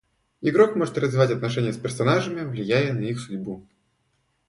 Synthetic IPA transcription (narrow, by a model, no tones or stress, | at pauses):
ɪɡɾokmoʐɨt̪rəzvʲɪvatʲɐt̪nɐʂɛnʲɪjəspʲɪrsɐnaʐɨmʲɪvlʲɪjæjənɐixsʊdʲbu